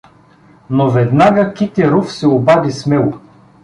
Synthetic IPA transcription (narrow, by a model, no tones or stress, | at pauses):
novɛd̪naɡəkʲit̪ɛɾufsɛobad̪ismɛlˠʊ